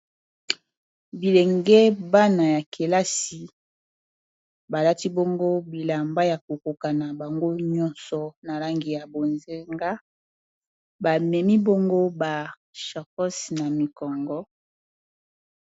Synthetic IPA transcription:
bi˨le˨ŋɡɛ˦ba˦na˨ja˨kʰe˨la˦si˨ | ba˨la˦ti˦bo˦ŋɡo˦bi˨la˨mba˦ja˨ko˨ko˨ka˨na˨ba˨ŋɡo˦ɲɔ˦nsɔ˨na˨la˦ŋɡi˨ja˨bo˨nze˦ŋɡa˦ | ba˨mɛ˨mi˦bo˦ŋɡo˦ba˨ | ʃɔ˨kɔ˦si˨na˨mi˨kɔ˨ŋɡɔ˦

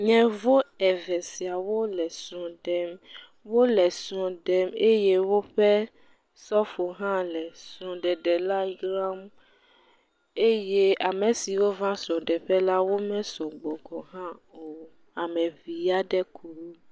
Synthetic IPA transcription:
ɲɛ̃˨vo˦ɛ˨vɛ˨si˨a˨wo˦lɛ˨sɔ̃˨ɖɛ˦m | wo˦lɛ˨sɔ̃˨ɖɛ˦me˦je˦wo˦ɸɛ˦ | sɔ˦fo˨ɦã˦lɛ˨sɔ̃˨ɖɛ˨ɖɛ˨la˦ɡɾa˦m | e˦je˦a˨mɛ̃˨si˨wo˦vã˦sɔ̃˨ɖɛ˨ɸɛ˦la˦wo˦mɛ̃˦sɔ̃˨ɡ͡bɔ˨ɡɔ˨ɦã˦o˨ | a˨mɛ̃˨vi˨a˦ɖɛ˦kʰu˦

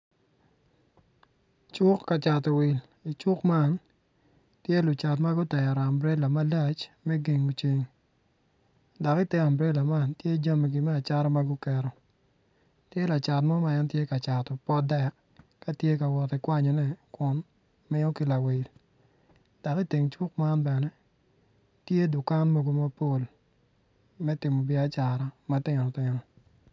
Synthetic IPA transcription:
t͡ʃʊ˦kːa˨t͡ʃa˨tɔ˨wɪ˨l | i˨t͡ʃʊ˦kma˦n | tje˦lʊ˨t͡ʃa˨tma˦ɡʊ˦tɛ˨ja˨ɾɔ˨a˨mbɾe˦la˨ma˦la˦˨t͡ʃmɛ˦ɡe˨ŋu˨t͡ʃi˦ŋ | da˨ki˦tɛ˦a˨mbɾɛ˦la˨ma˦ntje˦d͡ʒa˦mɛ˨ɡi˨mɛ˦a˨t͡ʃa˦ɾɔ˦ma˦ɡʊ˦kɛ˨ɾɔ˨ | tje˦la˨t͡ʃa˨tmɔ˦ma˦ɛ˦ntje˦ka˨t͡ʃa˨tɔ˨pɔ˦dɛ˦˨kː | a˦tje˦ka˨wɔ˨tɪ˨kwa˦ɲɔ˨nɛ˦kʊ˨˦n | mɪ˦o˦ki˨la˨we˨l | d̥a˨ki˦te˨ŋt͡ʃwu˦k̚ma˦nbɛ˨nɛ˦ | tje˦dʊ˨ka˦nmo˦˨ɡo˦ma˦po˦˨l | mɛ˦tɪ˨mɔ˨bɪ˨a˦t͡ʃa˨ɾa˦ma˦tɪ˨nɔ˨tɪ˨nɔ˨

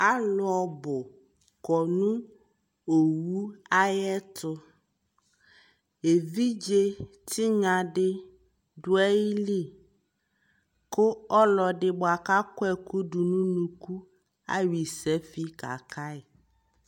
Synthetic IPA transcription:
a˦lʊ˨˦ɔ˨bʊ˨ | kɔ˨nũ˦ | o˨wu˦a˦jɛ˦t̪ʊ˦ | e˨vi˦d͡ʒe˦tʰi˦ɲã˨ɖɪ˦ | dʊ˦ɛ˦ji˦li˦˨ | kʊ˦ɔ˦lɔ˨ɖɪ˦bʊ˨a˨ka˦kʊ˦ɛ˦ku˦ɖu˨nũ˦nũ˦ku˦ | a̰˦ɥi˨sɛ˨˦fi˦ka̰˨kʰa˦ɪ˨

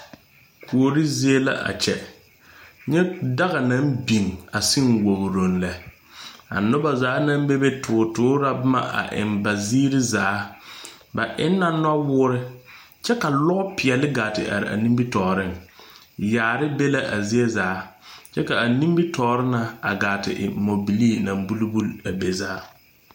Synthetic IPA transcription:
kʰu˨o˨ɾi˦zi˦e˦la̰˦ʔa̰˨t͡ʃɛ̰˨ | ɲɛ˦da˦ɣa˨na˦mbi˨ŋa˨si˦ŋwo˨ɣɾo˨n̩lɛ˨ | a̰˨nʊ˦ba˨zaː˨˦na˦m˦be˦be˦tʰʊ˨tʊː˨˦ɾa˦bʊ˦ma̰˦ʔa̰˨ʔɪ̰˨nba˨ziː˦ɾɪ˦zaː˨˦ | ba˨ʔɪ˦nː˦a˦nɔ˦wʊː˦ɾɪ˦ | t͡ʃɛ˦ka˨lɔ˦ʔpɪ˨ɛ˨lɪ˦ɡa˨tɪ˨ʔa̰˨ɾɪ˨a̰˨nĩ˦mbi˦tɔː˨ɾɪ˦˨ŋ | jaː˨ɾɪ˦be˦la˦ʔa˨zi˦e˦zaː˨˦t͡ʃɛ˦ka˨a˨nĩ˦mbi˦tɔː˨ɾɪ˦na˨a˨ɡaː˨tɪ̰˨ʔɪ̰˨mo˨bi˨li˦na˨mbu˦lu˦bu˦la˨be˨zaː˨˦

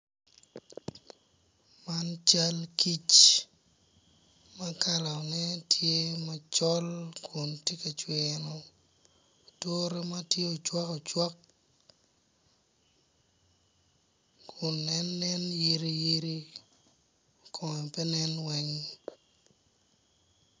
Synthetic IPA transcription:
ma˦nt͡ʃa˦lki˦t͡ʃ | ma˦ka˦la˨nɛ˦tje˦ma˦t͡ʃɔ˦lkʰʊ˨ntje˦ka˨t͡ʃwenɔ˨ | to˦ɾema˦tje˦o˨t͡ʃwa˦kɔ˨t͡ʃwa˦k̚ | kʰʊ˨nːɛnːɛ˦nje˦ɾi˦ji˦ɾi˦ | kʰɔ˨ŋɛ˨pɛ˦nɛ˦nwɛ˦ŋ

